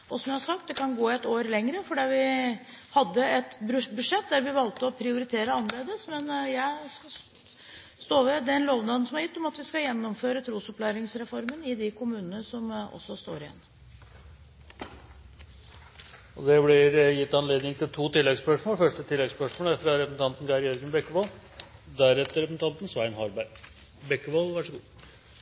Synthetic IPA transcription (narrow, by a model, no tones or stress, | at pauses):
ʔɔsɔmjæɪhɑɾʂɑk̚t̪̚d̪ɛkɑnɡoːɛt̪oːɾlɛŋɾəfɔɖiːʋɪ | hɑd̪ːəɛt̪bbʉd̪ʂɛt̪̚d̪æɾʋɪʋɑlt̪əɔpʰɾɪʊɾɪt̪ʰeːɾəɑnəleːd̪əsmɛnjæɪ | st̪oːʋəd̪ɛnloːʋnɑd̪nsɔmhæɾjɪt̪ːɔmɑt̪ʋɪskɑjɛnːɔmføːɾət̪ʰɾuːsɔplæːɾɪŋsɾɛfɔɾmənɪd̪ɪkʰʊmʉːnənəsɔmɔ̰sːɔst̪o̰ːɾɪɛ̰nː | ɔd̪ɛblɪɾjɪt̪ːɑnleːd̪nɪŋt̪ʰɪlt̪ʰuːt̪ɪlːɛɡspœʂmoːlfœʂʈət̪ʰɪlːɛɡspœʂmoːlæɾfɾɑɾɛpsn̩t̪ɑnt̪n̩ɡɑɾjɛɾɡənbɛkːəʋoːld̪æɾɛt̪ːəɾɛpəsn̩t̪ɑnt̪n̩sʋæɪnɦɑɾbæɾ | bɛkːəʋoːlˠʋæʂəɡuː